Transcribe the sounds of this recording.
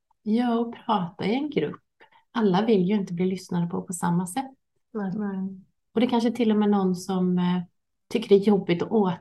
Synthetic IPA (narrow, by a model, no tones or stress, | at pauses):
jɑːɔpʰɾɑːt̪a̰ɪɛnɡɾɵ̰pː | ʔalːavɪljɵɪnt̪əbliːlʏsnad̪əpʰɔpʰɔsa̰mːasɛt̪ː | ɔd̪ɛkʰanʂ̬əɛt̪ʰɪlːɔmɛːnɔnːsɔm | t̪ʰʏkːəɖɛæjɔbːɪt̪ɔʔoː